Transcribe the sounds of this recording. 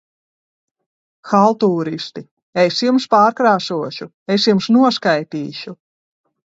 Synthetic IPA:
xalˠt̪uːɾist̪i | esjumspaːɾkɾaːsuɔʃu | esjumsnuɔskajt̪iːʃu

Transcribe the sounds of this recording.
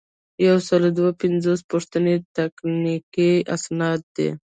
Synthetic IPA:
jawsəlod̪wapɪnzospʊʂt̪ənet̪aknikia̰snɑt̪̚d̪ḛ

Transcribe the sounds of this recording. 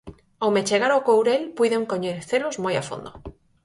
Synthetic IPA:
awmet͡ʃeɣ̞aɾokowɾelpujðeŋkoɲeθelozmoja̰fo̰nd̪o

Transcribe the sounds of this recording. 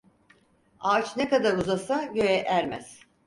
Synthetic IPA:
aːt͡ʃʰnekad̪aɾuzasaɟøjɛʔæɾmæz̥

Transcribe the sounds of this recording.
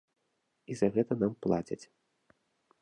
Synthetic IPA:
izɐɣɛt̪ɐnamplˠat͡sʲɐ̰t͡sʲ

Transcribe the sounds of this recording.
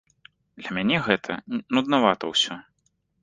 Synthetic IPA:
d̪lʲɐmʲanʲɛɣɛt̪ʰɐ̰nud̪navat̪ɐwsʲɔ

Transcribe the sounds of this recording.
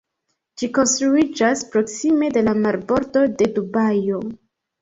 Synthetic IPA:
d͡ʒiko̞nstɾuid͡ʒaspɾo̞ksime̞de̞lamaɾbo̞ɾto̞de̞dubajo̞

